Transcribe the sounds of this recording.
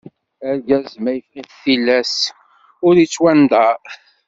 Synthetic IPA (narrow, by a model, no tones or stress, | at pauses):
æɾɡæzmæjfiθilːæs | ʊɾit͡sːwænd̪ɑ